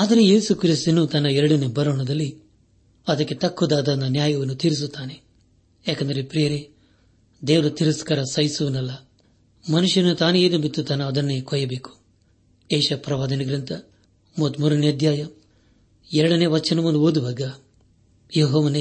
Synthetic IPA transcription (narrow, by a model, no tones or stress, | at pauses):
aːt̪ɐɾejeːsukɾist̪unut̪ɐnɐɛɾɐɽɐnebɐɾɐɳɐd̪ɐlːi | ɐd̪ɐkːet̪ɐkːud̪aːd̪ɐnɐnjaːjɐʋɐnut̪iːɾis̬ut̪ːaːne | ɛːkɐnd̪ɐɾepɾijɐɾe | d̪eːʋɐɾɐt̪iɾuskɐɾɐsɐjsuʋunɐlːɐ | mɐnuʂjɐnut̪aːneeːd̪ɐbit̪ːut̪ːɐːnɐːd̪ɐnːeːkɔːjɐbeːku̥ | eːʃɐpɾɐʋaːd̪ɐnɐɡɾint̪ɐ | mot̪muɾɐneɐd̪jaːjɐ | ɛɾɐɽɐneːʋɐt͡ʃːɐnɐmund̪uoːd̪uʋɐɡɐ | joːɦɐʋɐne